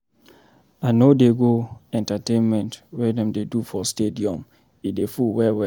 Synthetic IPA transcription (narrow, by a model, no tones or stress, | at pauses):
anodeɡoɛ̃ntatẽnmɛ̃ntwɛdɛ̃mdedufɔstediɔ̃m | idefuwɛwɛ